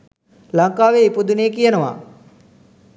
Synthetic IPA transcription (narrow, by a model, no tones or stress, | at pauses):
laŋkaːʋeipud̪uneːkijənəʋa̰ː